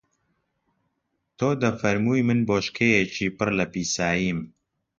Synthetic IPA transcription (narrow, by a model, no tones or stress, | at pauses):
t̪ʰoːd̪ɐfɐɾmuːjmɨnboːʃkʰejet͡ʃʰiːpɨrlɐpiːsaːjim